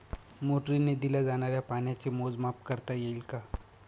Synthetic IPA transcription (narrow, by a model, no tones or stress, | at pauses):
moːʈɾined̪ɪlad͡ʒaːnaɾjapaːnjãt͡ʃemoːzmaːpkɐɾt̪ajeɪlka